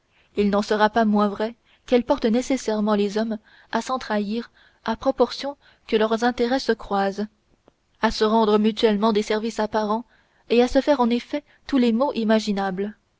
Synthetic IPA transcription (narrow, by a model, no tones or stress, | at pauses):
ilnɑ̃səʁapamwɛ̃vʁɛ | kɛlpɔʁt̪nesesɛʁmɑ̃lezɔm | asɑ̃t̪χaiːʁ | apχɔpɔʁsjɔ̃ | kəlœʁzɛ̃t̪eʁɛsəkχwaːz | asəʁɑ̃d̪ʁəmyt̪ɥɛlmɑ̃d̪esɛʁvisapaʁɑ̃ | easəfɛʁɑ̃nefɛ | t̪ulemoʔimaʒinabl